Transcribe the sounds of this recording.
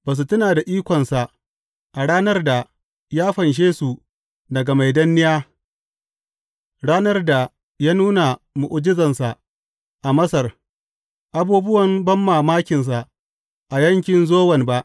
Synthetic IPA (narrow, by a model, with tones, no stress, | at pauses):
baː˨s̬u˨tʊ˦naː˨da˨ʔiː˦kʷɔ˨nsa˨ʔ | ʔa˨ɽaː˦nɐ˦rda˨ | jaː˦ɸɐ˨nʃ̬eː˦su˨ | dɐ˨ɡa˨ma˨jdɐ˦nːɪ˦jaː˦ | ɽaː˦nɐ˦rda˨ | jaː˦nuː˦na˨mʊ˨ʔʊ˨d͡ʒɪ˦zɐ˨nsa˨ | ʔa˨mɐ˦sɐ˨r | ʔa˨buː˦bʊ˦wɐ˨mbɐ˦mːaː˨maː˦kʲɪ˨ns̬a˨ | ʔa˨jɐ˦ŋkʲɪ˨nzoː˦wɐ˨nba˦ʔ